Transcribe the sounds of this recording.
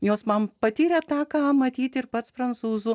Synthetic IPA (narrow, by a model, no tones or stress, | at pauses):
joːsmɐmpɐt̪ʲiːɾʲɛt̪ɑːkɑːmɐt̪ʲiːt̪ʲɪɾpɐt̪spɾɐnt̪suːzʊ